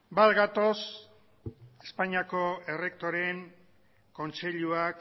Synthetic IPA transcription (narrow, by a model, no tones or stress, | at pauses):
balɣat̪o̞s | e̞spaɲiako̞e̞re̞k̚t̪o̞ɾe̞ŋ | ko̞nt͡se̞ʎuak